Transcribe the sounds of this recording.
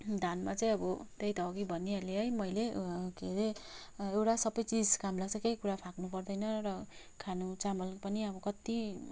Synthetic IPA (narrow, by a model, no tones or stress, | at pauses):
d̪ʱanmat͡saĩʌbʌt̪ejt̪ʌʌɡibʱʌnialeʌjmʌjlekeɾe | ewʈasʌbʌjt͡sid͡zkamlaɡ̚t͡sʌkejkuɾapʰaknupʌrd̪ʌjnʌɾʌ | kʰanut͡samʌlpʌniʌbʌkʌt̪i